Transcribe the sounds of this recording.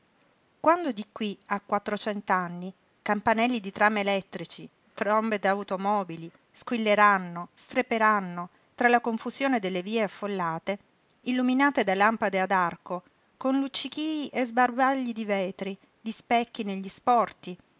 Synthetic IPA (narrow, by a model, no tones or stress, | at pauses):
kwand̪od̪ikwiakwat̪ːɾot͡ʃɛnt̪oanːi | kampanɛlːid̪it̪ɾaːmelɛt̪ːɾit͡ʃi | t̪ɾɔmbed̪awt̪omɔːbili | skwilːeɾanːost̪ɾepeɾanːo | t̪ɾalakoɱfuzjoːned̪elːeviːeafːolːaːt̪e | ilːuminaːt̪ed̪alampad̪ead̪arko | konlut͡ʃːikiːiʔezbarbaʎːid̪ivɛːt̪ɾi | d̪ispɛkːineʎːispɔrt̪i